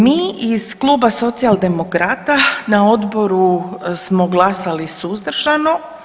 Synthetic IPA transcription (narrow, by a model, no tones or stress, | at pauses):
miːiz̥klˠuːbaso̞t̪sialˠd̪e̞mokɾat̪anao̞d̪boɾusmoɡlˠasalisuzd̪r̩ʒano